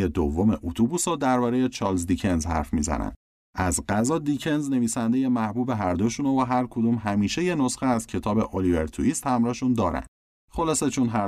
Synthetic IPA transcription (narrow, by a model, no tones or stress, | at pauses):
ed̪o̰vːo̞me̞ʔut̪ʰubusɒːd̪æɾbɒːɾeje̞t͡ʃʰɒːlzd̪icʰe̞nzhæ̰ɾfmiːzæ̰næ̰nd̪ | æzɢæzɒːd̪icʰe̞nzne̞viːsænd̪e̞jemæhbuːbe̞ɦæɾd̪o̞ʃunovoɦæɾkʰod̪umɦæmiːʃe̞je̞no̞sxeæzcʰe̞t̪ʰɒːbe̞ʔolive̞̰ɾt̪ʰuiːst̪hæmɾɒːhʃund̪ɒːɾæ̰nd̪̥ | xo̞lɒːse̞t͡ʃʰonɦæ